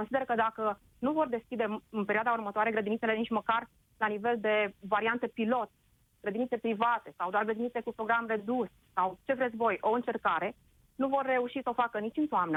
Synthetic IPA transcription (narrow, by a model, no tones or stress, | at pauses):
onsid̪erəkəd̪akə | nuvo̞rd̪e̞skʲid̪eɨnpeɾioad̪aurmət̪oaɾeɡɾəd̪init̪selenit͡ʃʲməkar | lanive̞ld̪e̞vaɾiant̪e̞pilo̞t̪̚ | ɡ̥ɾəd̪init̪sepɾivat̪e̞sawd̪oarɡɾəd̪init̪sekupɾo̞ɡɾamre̞d̪us | sawt͡ʃe̞vɾezbo̞jʔo̞ɨnt͡ʃe̞rkaɾe̞ | nuvo̞rːe̞uʃisəo̞fakənit͡ʃɨnt̪oamnə